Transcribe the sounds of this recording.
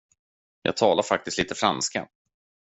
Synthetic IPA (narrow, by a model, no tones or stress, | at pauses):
jɑ̰ɡ̚t̪ʰɑːlaɾfak̚t̪ɪst̪liːt̪əfɾanska̰